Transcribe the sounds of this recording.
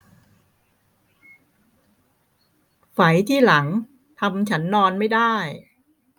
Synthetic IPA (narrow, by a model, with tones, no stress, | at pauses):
fa˩˦jt̪ʰiː˥˩la˩˦ŋ | t̪ʰa˧mt͡ɕʰa˦˥nːɔː˧nma˥˩jdaː˥˩j